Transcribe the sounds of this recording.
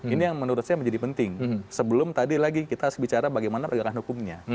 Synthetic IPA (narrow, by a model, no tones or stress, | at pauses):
inijaŋmənuɾʊt̪̚ɲaməɲd͡ʒadipənt̪ɪŋsəbəlʊmt̪adilaɡikit̪aɦaɾʊsbit͡ʃaɾabaɡajmanapəɡakanhukʊmɲa